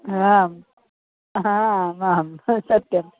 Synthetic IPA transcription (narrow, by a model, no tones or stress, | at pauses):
ɦam | ɦãmaːmsɐt̪jɐm